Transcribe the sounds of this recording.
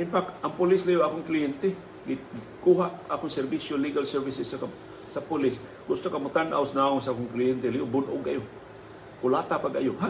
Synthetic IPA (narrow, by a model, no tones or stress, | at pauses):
ʔɪnfak̚t̪ʔɐŋpʊlɪslajoʔaːkʊŋklɪjɛnt̪e | ɡɪ | kuːɦaʔaːkʊŋsɛɾbisjoliɡalsɛɾvɪsɪsːa | sapʊlɪs | ɡʊst̪okɐmʊt̪anʔa̰wsnaʊŋsaʔaːkʊŋklɪjɛnt̪ɛlajobʊnʔʊ̰ɡ̚kːajo | kʊlaːt̪apaɡajoha